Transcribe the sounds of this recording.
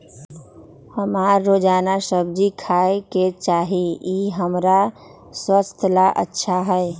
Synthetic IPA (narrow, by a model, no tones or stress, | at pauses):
həmaːɾːod͡ʒaːnasəb̚d͡ʒikʰaeket͡ʃaːɦiiɦəmɾa | swəst̪ʰlaʔə̰tːʃʰaɦɛɛ